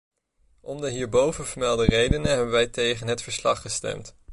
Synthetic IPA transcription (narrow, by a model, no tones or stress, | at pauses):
ʔɔndəɦiːɹbowvənvəɹmɛlˠdərejdənəɦɛbənʋɛjtejχənɦətfəɹslɑχəstɛ̰mt